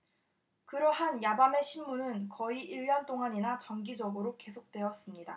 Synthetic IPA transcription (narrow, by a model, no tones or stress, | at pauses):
kɯɾʌɦanjabame̞ɕʰimːunɯnkʌiʔiɭːʌnt͈oŋaɲinat͡ɕʌŋɡid͡ʑʌɡɯɾoke̞sʰok̚t͈we̞ʌs͈ɯmɲida